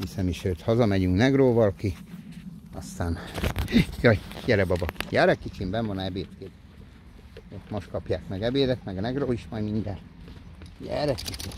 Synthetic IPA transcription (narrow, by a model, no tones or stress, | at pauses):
hisɛmiʃøːt̪hɒzɒmɛɟyŋknɛɡroːvɒlki | ɒst̪aːn | jɒjjɛɾɛbɒbɒjɛːɾɛkːit͡ʃimbɛɱvɒnɛbeːt̪keːd̪ | øːt̪mo̞ʃt̪kɒpjaːkmɛɡɛbeːd̪ɛt̪mɛɡɒnɛɡroːiʃmɒjmind̪ɛn | jɛ̰ːɾɛkːit͡ʃi